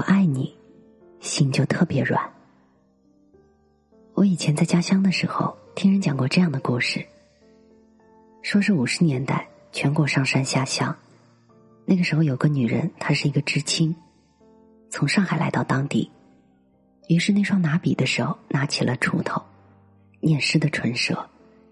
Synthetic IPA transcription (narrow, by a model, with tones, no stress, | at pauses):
wɔ˧˩ʔa˥˩ɪni˨˩˦ | ɕi˥ŋt͡ɕjo˥˧ʊt̪ʰɤ˥˩pjɛ˧˥ɻwa̰˨˩˦n | wɔ˧˥i˨˩t͡ɕʰjɛ˧˥nt͡sa˥˩ɪt͡ɕja˥ɕjɑ˥ŋd̪ə˨ʂɻ̩˧˥xo̰˥˧ʊt̪ʰi˥ŋɻə˧˥nt͡ɕjɑ˨˩ŋkwɔ˥˧ʈ͡ʂɤ˥˧jɑ˥˩ŋd̪ə˩ku˥˩ʂɻ̩˥˩ | ʂwɔ˥ʂɻ̩˥˩u˨˩ʂɻ̩˧˥njɛ˧˥nt̪a˥˩ɪ | t͡ɕʰɥɛ˧˥nkwɔ˨˩ʂɑ˥˩ŋʂa˥nɕja˥ɕjɑ˥ŋ | na˥˩ɡə˩ʂɻ̩˧˥xo˧ʊjo˨˩ʊɡə˧˥ny˨˩ɻə̰˧˥nt̪ʰa˥ʂɻ̩˥˩i˧˥ɡə˧ʈ͡ʂɻ̩˥t͡ɕʰi˥ŋ | t͡sʰʊ˧˥ŋʂɑ˥˩ŋxa˨˩ɪla̰˧˥ɪt̪ɑ˥˩ʊt̪ɑ˥ŋt̪ḭ˥˩ | y˧˥ʂɻ̩˥˧ne˥˩ɪʂwɑ˥ŋna˧˥pi˨˩d̪ə˦ʂɻ̩˧˥xo˧ʊna˧˥t͡ɕʰi˨˩lʔə̰˦ʈ͡ʂʰṵ˧˥t̪ʰo˧˩ʊ | njɛ˥˩nʂɻ̩˥d̪ə˨ʈ͡ʂʰwə˧˥nʂɤ̰˧˥